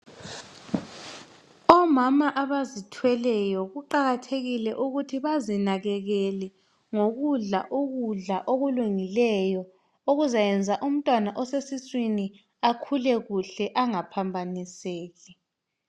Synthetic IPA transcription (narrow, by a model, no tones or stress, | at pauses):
ɔmamaʔaβazitʰwɛlɛjɔɣuǃaɣatʰeɣilɛʔuɣutʰiβazinaɣɛɣɛlɛ | ŋoɣuɮaʔoɣuɮaʔoɣuluŋilɛjɔ | oɣuzajɛnd͡zʱaʔum̩tʼwanaʔɔsesiswini | akʰulɛɣuɬɛʔaŋapʰambʱaniseːɣi